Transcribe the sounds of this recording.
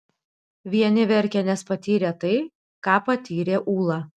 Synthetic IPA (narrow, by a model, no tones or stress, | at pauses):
ʋʲiɛnʲɪʋʲɛɾʲkʲɛnʲɛspɐt̪ʲiːɾʲeːt̪ɐɪ | kɑːpɐt̪ʲiːɾʲeːʔuːlˠɑː